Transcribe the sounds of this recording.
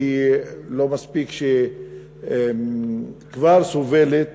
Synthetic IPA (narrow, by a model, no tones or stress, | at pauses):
ilo̞maspikʃe | kvaʁsovelet̪